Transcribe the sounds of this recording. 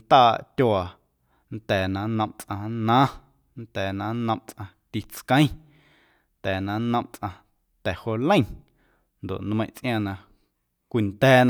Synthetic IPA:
t̪aː˦˧˨ʔt̪ʲjo˧a˨ | n̩t̪ɛː˨nã˨˧nə̃˧mt͡sʔã˧nãː˦ | nt̪ɛː˨nã˧˦nə̃˧mʔt͡sʔã˧ | t̪i˧t͡skə̃˦ĩ˦ | nt̪ɛː˨nã˧˦nə̃˧mt͡sʔã˧ | t̪ɛ˨ho˧lə̃˦˨ | nd̪o̰˨ʔn˧mə̃˧j̃t͡sʔj̃ã˧nã˧ | kʷi˧˨nt̪ɛː˦˧n˧

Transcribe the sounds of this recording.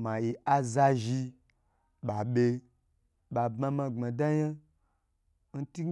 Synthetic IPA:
mã˨ji˨a˧za˧ʒi˧ | ɓa˨ɓe˧ | ɓa˨bma˧mã˧ŋ͡ma˨da˦ja˦ | n̩˦ti˦

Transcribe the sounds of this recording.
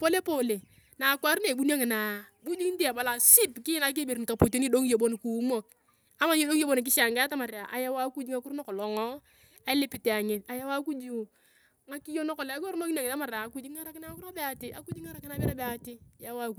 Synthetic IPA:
po˦le˦po˦le˨ | na˨kwa˦ɾne˨bu˦n˦a˦ŋɪ˨na˨bu˦d͡ʒi˦n˦di˦a˨ba˨la˨si˦pkɪ˦na˨k̬e˦be˨ɾka˨po˨te˦ni˦do˦ŋ˦jo˨bo˦n˨ku˨˦mo˨k̚ | a˦ma˨ɲi˦do˦ŋ˦o˦bo˦n˨k̬ɪ˦ʃa˨ŋɡta˦ma˨ɾa˨ʔa˨ja˦wa˦ku˦d͡ʒi˦ŋa˦kʊ˦ɾnɔ˦kɔ˨lɔ˨ŋɔ˦ | a˦lɪ˦pɪ˨te˨a˨ɲɪ˨ta˨ja˦wa˦ku˦d͡ʒu˦˨ | ŋa˦ki˦jo˦no˦kɔ˨lko˦ɾmo˦kna˨ŋɪ˨ta˦ma˨ɾa˨˦ku˦d͡ʒi˦ŋa˦ɾa˨˦kɪ˦na˦ŋa˦kʊ˦ɾa˦be˦a˨tɪ˦ʔa̰˦ku˦d͡ʒi˦ŋa˦ɾa˨˦kɪ˦na˨˦bɪ˦ɾa˦be˨a˨tɪ˦˨ja˦wa˦ku˨˦

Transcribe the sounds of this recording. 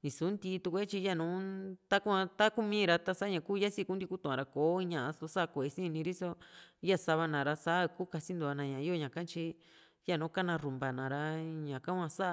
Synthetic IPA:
ĩ˨su˨˦nd̪i˧t̪u˧kʷe˦t͡ʃi˧ja˦˨nũ˨˦t̪a˦ku˦ã˧t̪a˦ku˦mĩ˦˧ɾa˧t̪a˧sa˦ɲã˧˨˧kuː˦˧ja˦si˦˧ku˦nd̪ʲi˧ku˦t̪ũ˨ã˨˧ɾa˧ko˨˦i˧ɲã˧˨a˧so˧sa˦˧kʷo˨e˧sĩ˦˧nĩ˧ɾi˦so˦˧ja˦˨sa˧βa˧nã˨ɾa˧sa˦˧kuː˦ka˧si˦nd̪u˧a˧nã˨ɲã˨˧i˦o˦˧ɲã˨kã˦t͡ʃi˧ | ja˦nũ˨˦ka˦nã˧ru˨mba˨nã˨ɾa˧ɲã˨kã˦kʷã˧sa˦˧

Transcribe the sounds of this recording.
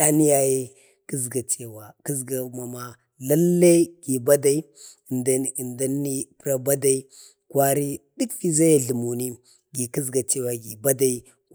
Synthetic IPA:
a˦ni˦ja˨je˦ | ki˦zɡa˨t͡ʃe˨wa˨ki˦zɡa˨ma˨ma˨ | la˦lːa˦ɡi˨ba˦da˦i˦˨ | dnda˦nːi˦pɾa˦ba˦da˦i˦ | kwa˦ɾi˦di˦kfi˦za˦ja˨ɮi˨mu˨ni˦ | ɡi˨ki˦zɡa˨t͡ʃe˦wa˨ɡi˨ba˦da˦i˦

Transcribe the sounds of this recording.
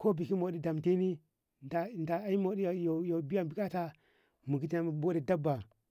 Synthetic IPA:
ko˦bi˨ki˦mo˨ɗi˦da˨mti˦ni˦ | da˨nda˨a˦i˦mo˨˦ɗi˦˨jo˨jo˨bi˦ja˦˨bi˨ka˦ta˦ | mu˨ɡi˦ti˦na˦m˨bo˦di˨da˦bːa˨

